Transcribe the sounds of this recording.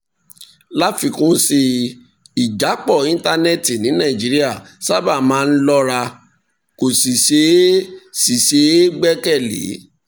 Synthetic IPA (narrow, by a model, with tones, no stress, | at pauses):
la˦fi˧kũ˦si˧ | i˨d͡ʒa˨˦k͡pɔ˦˨ĩ˦n˦ta˧nɛ˦˨ti˨nĩ˨˦nã˦˨d͡ʒi˨˦ɾi˦a˦˨ | sa˦ba˦˨mãː˨˦˧n̩˦lɔ˦ɾa˧ | ko˨si˨ʃe˨˦si˨ʃe˨˦ɡ͡bɛ˦kɛ˦˨lḛ˨˦